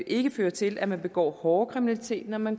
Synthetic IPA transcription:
ʔe̝ɡ̥əføːɐt͡sʰe̝lʔæmænb̥e̝ɡ̥ɒ̰ːhɒːkʰʁiminælit͡sʰe̝̰ːd̥nɒmæn

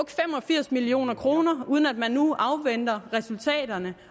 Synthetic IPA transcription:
ɡ̥fem̰ɒ̽fiɐ̰smilio̝̰ːnɐkʰʁo̝ːnɐuð̞ˠən̩æd̥mænːuʔɑ̈ʊʋen̰d̥ɐʁɛsult͡sʰɛ̰ːd̥ɐnə

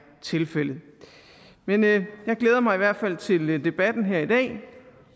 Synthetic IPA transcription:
t͡sʰe̝lfel̰ð̩ˠ | menjɑ̈ɪɡ̥leːðˠɐmɑ̈ɪiʋæɐ̰d̥fæl̰t͡sʰe̝ld̥e̝b̥æd̥n̩ɦeɐ̰id̥ɛ̰ː

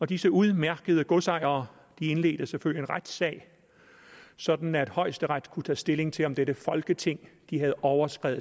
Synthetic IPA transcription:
ɒ̽d̥isəuðˠmæɐɡ̥əð̞̩ˠəɡ̥osɑ̈ɪ̰ɐː | d̥ie̝nle̝̰ːd̥əseføl̰jie̝nʁad̥sɛ̰ːɪ | sɒ̽d̥n̩æd̥hɒ̽ɪsd̥əʁad̥kʰut͡sʰɛ̰ːsd̥e̝le̝ŋt͡sʰe̝lɒ̽md̥eɾ̥əfɒ̽lɡ̥ət͡sʰe̝ŋ̰d̥ihæð̞̩ˠɒʊɐsɡ̥ʁɛ̰ːð̩ˠ

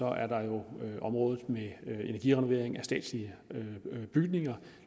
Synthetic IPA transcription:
ɒ̽ʔæɐd̥ɑ̈jo̝ʔɒ̽mʁɔ̽ːðð̩ˠmeenæɐɡḭʁɛno̝ʋe̝ɐ̰eŋæsd̥ɛ̰ːd̥sliə | b̥yɡ̥ne̝ŋɐ

